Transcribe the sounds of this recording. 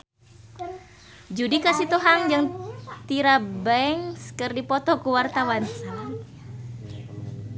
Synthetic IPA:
d͡ʒudikasit̪uɦaŋd͡ʒɨŋt̪iɾabɛɛŋskɨrdipɔt̪ɔkuwart̪awansa

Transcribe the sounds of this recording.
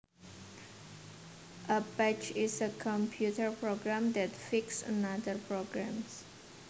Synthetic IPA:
ʔəbɛt͡ʃɪsəkʰɔ̃mpʰjutʰəɹpɹoɡɹãmd̪ɛtfiksənad̪əɹpʰɹoɡɹæ̃ms

